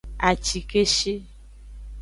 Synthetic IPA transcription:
a˨t͡ʃi˨ke˦ʃe˦

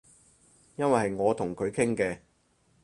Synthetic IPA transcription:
jɐ˥nwɐ˨jhɐ˨jŋɔː˨˧t̪ʰʊ˨˩ŋkʰɵ˨˧ɥkʰɪ˥ŋkɛː˧

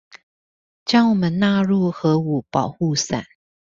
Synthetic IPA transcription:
t͡ɕjɑ˥˩wɔ˨˩mə˨˦nna˥˧ɻu˥˩xɤ˨˧˥u˨˩˦pɑ˨˩ʊxu˥˩sa̰˨˩˦n

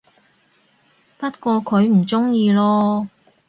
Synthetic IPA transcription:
pɐ˥t̚kʷɔː˧kʰɵ˨˧ɥm̩˨˩t͡sʊ˥ŋjiː˧lɔː˥

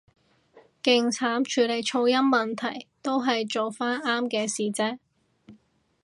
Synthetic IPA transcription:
kɪ˨ŋt͡sʰaː˨˥mt͡ʃʰyː˨˥le˨˩jt͡ʃʰo˧wjɐ˥mːɐ˨nt̪ʰɐ˨˩jt̪o˥wɦɐ˨jt͡so˨wfaː˥naː˥mkɛː˧siː˨˩t͡sɛː˥

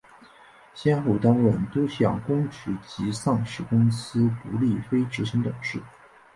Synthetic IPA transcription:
ɕjɛ˥nxo˥˩ʊt̪a˥nwə˥˩nt̪o˥ʊɕjɑ̰˥˩ŋkʊ˥ŋʈ͡ʂɻ̩˧˥t͡ɕi˧˥sɑ˥˩˧ŋʂɻ̩˥˩kʊ˥ŋsɹ̩˥pu˧˥li˥˩fe˥ɪʈ͡ʂɻ̩˧˥ɕi˧˥ŋt̪ɤ˨˩ŋʂɻ̩˥˩

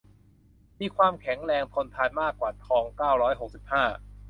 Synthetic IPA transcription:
miː˧˩kʰwaː˧mkʰɛ˩˦ŋɾɛː˧ŋt̪ʰo˧nt̪ʰaː˧jmaː˥˩kwaː˨˩t̪ʰɔː˨˧ŋkaː˥˩wɾɔː˦˥jɦo˨˩k̚si˨˩p̚haː˥˩

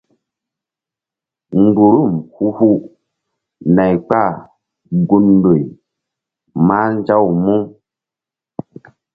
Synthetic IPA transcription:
ŋ̩˨ɡ͡bu˨ɾu˦˨mhu˦hu˦ | na˨jk͡pa˦˨ | ɡu˧ndo˨i˨ | ma˦n˦d͡ʒa˦wmu˦

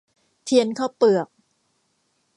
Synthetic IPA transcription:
t̪ʰi˧ənkʰaː˥˩wpɯ˨˩ək̚

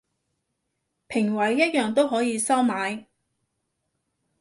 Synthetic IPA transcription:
pʰɪ˨˩ŋwɐ˨˥jːɐ˥t̚jœː˨˩ŋt̪o˥wɦɔː˨˥jiː˨˧sɐ˥wmaː˨˧j

